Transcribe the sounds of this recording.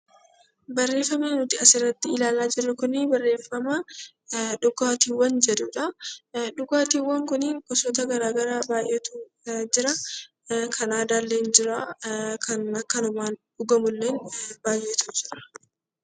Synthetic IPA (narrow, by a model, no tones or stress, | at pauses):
bɐrːe̞ːfːɐmeːnʊt̪ɪɐsɪɾɐt̪ːɪɪlaːlaːd͡ʒɪrːɐkʊnɪbɐrːe̞ːfːɐmɐ | ᶑʊɡaːt̪iːwɐnd͡ʒɛd̪uᶑɐᶑʊɡaːt̪iːwːɐŋkʊnɪŋkɔsɔt̪ɐɡɐɾaːɡɐɾabaːjʔeːt̪u | d͡ʒɪɾɐ | kʰɐnaːd̪aːlːeːnd͡ʒɪɾaːkʰɐnɐkːɐnʊmaːnᶑʊɡɐmʊlːeːnb̥aːjʔːeːt̪ud͡ʒɪɾɐ̥